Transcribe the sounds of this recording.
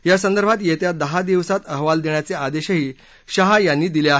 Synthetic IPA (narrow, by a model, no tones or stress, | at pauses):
jasənd̪əɾbʱat̪jet̪jad̪əɦad̪iʋsat̪əɦʋald̪eɳjat͡sead̪eɕəɦiː | ɕəɦajanːiːd̪ileaɦ